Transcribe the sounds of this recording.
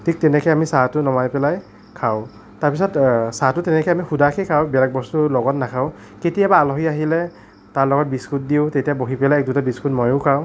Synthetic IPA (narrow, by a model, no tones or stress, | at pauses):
tʰik̚tɛnɛkʰɛjamisatʊnɔmajpɛlaj | kʰaʊ | taɹpisɔtsatʊtɛnɛkʰɔjamixudakʰɛjkʰawbɛlaɡ̚bɔstʊlɔɡɔtnakʰaʊ | ketijabaːlɔɦiaɦilɛ | talɔɡɔt̚biskʰut̚diʊtetijaboɦipɛlajɛk̚dutabiskʰutmɔjʊkʰaʊ